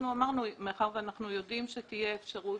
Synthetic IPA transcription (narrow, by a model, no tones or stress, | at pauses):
nuamaʁnumeaχaʁveanaχnujo̞dimʃetije̞ːfʃaʁu